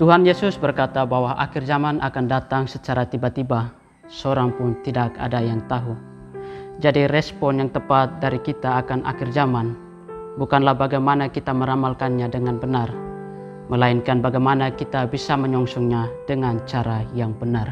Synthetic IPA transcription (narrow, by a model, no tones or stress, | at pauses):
t̪uɦanjesʊsbərkat̪abawaʔa̰kɪrzamanʔakandat̪aŋsət͡ʃaɾat̪ibat̪iba | səoɾaŋpʊnt̪idaka̰dajaŋt̪aɦu | d͡ʒadirɛspɔnjaŋt̪əpat̪̚daɾikit̪aːkanʔa̰kɪrd͡ʒaman | bukanlahbaɡajmanakit̪aməɾamalkanɲadəŋanbənar | məlainkanbaɡajmanakit̪abisaməɲɔŋsɔŋɲadəŋant͡ʃaɾajaŋbənar